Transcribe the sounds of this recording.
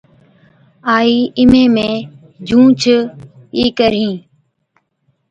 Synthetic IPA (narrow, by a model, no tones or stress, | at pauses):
aːiːʔɪmẽːmẽː | d͡ʒʱũːt͡ʃʰə | iːkəɾĩː